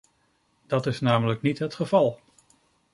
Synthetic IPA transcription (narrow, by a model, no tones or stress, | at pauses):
d̥ɑtɪsnaːmələknitɦətχəv̥ɑlˠ